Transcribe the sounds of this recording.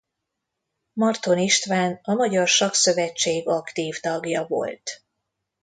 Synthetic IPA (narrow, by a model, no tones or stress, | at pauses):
mɒrt̪o̞niʃt̪vaːnɒmɒɟɒrʃɒksø̞vɛt͡ʃːeːɡɒkt̪iːvt̪ɒɡjɒvo̰lt̪